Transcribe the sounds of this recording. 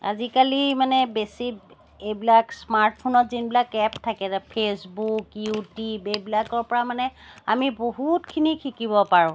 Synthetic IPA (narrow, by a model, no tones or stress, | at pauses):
a̰zikalimanɛbesi | ejbilaksmaɹt̚pʰonɔtzinbilakɛptʰakɛtapʰesbukjutibejbilakɔɹpɔɹamanɛamiboɦutkʰinikʰikibɔpaɹʊ̃